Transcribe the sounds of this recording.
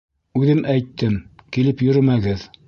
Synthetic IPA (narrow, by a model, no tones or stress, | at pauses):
ʉðɘmʔæjt̪ʰːɘmkilɘpjɵ̆ɾɘmæɡɘð